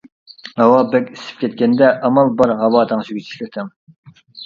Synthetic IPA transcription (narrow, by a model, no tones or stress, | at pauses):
ɑwɑbɛkʲisɪ̥p̚kʲʰɛt̪̚kʲɛnd̪ɛʔɑmɑlˠbɑɾʁɑwɑːt̪ʰɑŋʃʰyɡʲit͡ʃʰi̥ʃkʲɪt̪ʰɪm